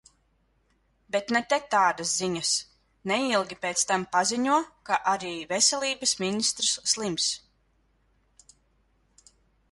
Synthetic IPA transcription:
bet̪nɛt̪ɛt̪aːd̪asziɲas | nɛilˠɡʲipeːt̪st̪ampaziɲuɔkaʔaɾiːvɛsʲɛlʲˠiːbəsminist̪ɾsːlˠims

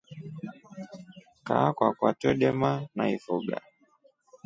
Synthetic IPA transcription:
kakwakwatɔɗɛmanaifuɡa̰

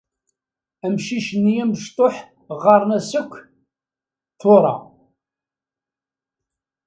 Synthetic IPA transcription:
æmʃiʃənːijæməʃt̪ˤoħ | ʁɑɾˤnæsəkʷː | θoɾˤɑ̰

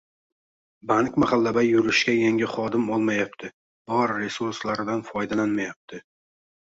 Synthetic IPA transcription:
baŋkʲmaχalːabajːʊɾɪʃkʲajaŋʲɪχɒd̪ɪmɒlˠmajapt̪ʰɪ | b̥ɒɾːe̞suɾslaɾɪd̪anfɒjd̪alanmajap̚t̪ʰɪ

